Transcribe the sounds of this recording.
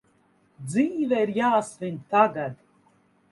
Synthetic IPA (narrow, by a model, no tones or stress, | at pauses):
d̪ziːvɛiɾjaːsvʲiɲʲt̪aɡad̪